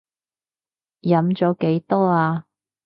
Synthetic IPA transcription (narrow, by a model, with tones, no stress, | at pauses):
jɐ˨˧˥mt͡sɔː˨˥ke˨˧˥jt̪ɔː˥aː˧